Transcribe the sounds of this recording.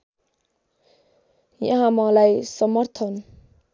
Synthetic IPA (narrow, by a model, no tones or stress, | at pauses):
jãɦãmʌ̃lajsʌmʌrt̪ʰʌn